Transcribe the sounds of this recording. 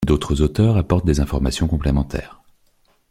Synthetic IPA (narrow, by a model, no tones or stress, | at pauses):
d̪ot̪χəzot̪œːʁapɔʁt̪̚d̪ezɛ̃fɔʁmasjɔ̃kɔ̃plemɑ̃t̪ʰɛ̰ːʁ